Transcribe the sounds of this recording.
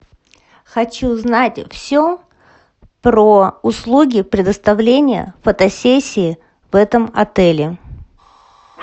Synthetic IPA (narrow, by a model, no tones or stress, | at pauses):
xɐt͡ɕuznatʲfsʲo | pɾoʊslˠuɡʲɪpɾʲɪd̪əst̪ɐvlʲenʲɪjə̰fət̪ɐsʲesʲːɪː | vɛt̪əmɐ̰t̪ɛlʲɪ